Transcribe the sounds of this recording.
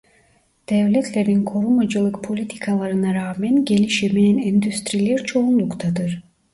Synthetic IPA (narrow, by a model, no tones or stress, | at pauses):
d̪̥evlʲɛt̪ʰlʲeɾinkʰo̞ɾumad͡ʒɯlˠɯkpʰo̞lʲit̪ʰi̥kʰalˠɑɾɯnaɾaːmɛnɡe̞lʲiʃiminɛnind̪yst̪ɾilʲɛɾt͡ʃʰo̞unlˠukt̪ʰɑd̪ɯɾ